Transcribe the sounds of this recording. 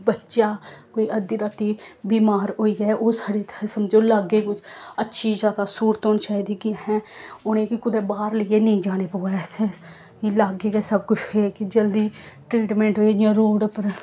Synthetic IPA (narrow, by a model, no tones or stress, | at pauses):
bətːʃaːkoːiːʔəd̪iɾat̪iːbiːmaːɾɦoːiːɡɛʔoːsaːɖet̪ʰsəmd͡ʒeoːlaːɡeːkʊt͡ʃətːʃʰiːzjaːd̪aːsuːɾt̪oːnt͡ʃaːid̪iːkɪhɛ̃ːʊnẽːkɪkʊd̪eːbaːɾləieːnəĩːd͡ʒaːneːpoːɛseː | ilaːɡeːɡɛːsəbkʊt͡ʃʰɦeːkid͡ʒəld̪iːʈɾiːʈmɛ̃ːɳʈɦoːid͡ʒiãːɾoːɖpəɾ